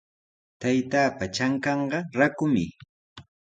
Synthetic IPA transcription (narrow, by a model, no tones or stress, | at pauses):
t̪ajt̪aːpat͡ʃaŋkɑɴɢɑɾakʊmɪ